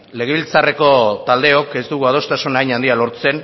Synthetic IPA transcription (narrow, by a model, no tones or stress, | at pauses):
le̞ɣeβilt͡sare̞ko̞t̪ald̪e̞o̞ke̞st̪uɣuað̞o̞st̪asunajɲand̪ialo̞ɾt͡se̞n